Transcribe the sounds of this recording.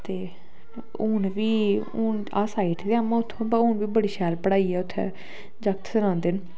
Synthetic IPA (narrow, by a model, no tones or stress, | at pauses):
t̪eː | ʊnʋiːʊn | aːsaːiːʈd̪eamãːʊt̪ʰːõːbəʊnʋiːbəɽiːʃɛːɾpəɽaːiːɛːʊt̪ʰːɛ̰ː | d͡ʒək̚t̪ʰsəɾãːnd̪eːn